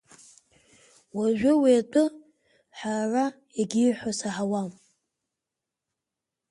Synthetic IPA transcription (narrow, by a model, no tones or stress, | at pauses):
waʒʷᶣʊweːtʼɨ | ħara | eɡʲiħʷasaħawam